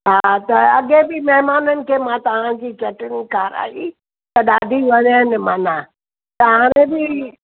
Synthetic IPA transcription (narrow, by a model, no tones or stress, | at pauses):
ɦaːt̪ɐɐɠebɪmɛɦmaːnənɪ̆kʰeːmãt̪ɐʋ̤ãd͡ʑiːt͡ɕɐʈɪnikaːɾa̰ːɦi | t̪ɐɗaːd̪ʱiʋɐɾənɪ̆mãːnã | t̪ɐʋãːɾ̃ẽbɪ